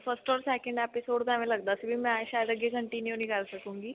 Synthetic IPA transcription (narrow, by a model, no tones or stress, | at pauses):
fʰəsʈɔɾsɛkẽɳɖɛpisoːɽd̪aʋẽləɡ̚d̪asəbʱiːmɛ̃aɕajəd̪əɡekəɳʈinjuniɡalsəkũːŋɡiː